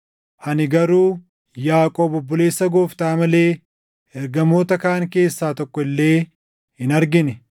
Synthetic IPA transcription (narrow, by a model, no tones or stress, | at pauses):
hɐnɪɡɐɾuː | jaːkʼo̞ːbʊbːʊle̞ːsːɐɡo̞ːft̪aːmɐle̞ː | ɛɾɡɐmo̞ːt̪ɐkaːŋke̞ːsːaːt̪ɔkːɔɪlːe̞ː | hɪnɐɾɡɪnɛ